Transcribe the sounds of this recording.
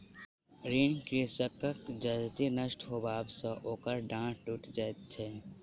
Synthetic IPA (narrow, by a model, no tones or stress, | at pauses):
ɾiːnkɾisəkːəkd͡ʒɐd͡ʒt̪inəʃʈɦoːbaːbsɔ̃ʔoːkəɾɖãːʈuʈd͡ʒat̪t͡ʃʰe